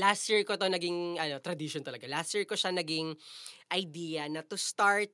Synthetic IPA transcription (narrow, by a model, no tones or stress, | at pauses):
last̪ɛɹkot̪onɐɡɪŋʔɐnot̪ɾɐd̪iʃont̪ɐlɐɡalasɛɹkoʃanɐɡɪŋʔɐjd̪iːjɐnɐt̪ʊst̪aɹt̪̚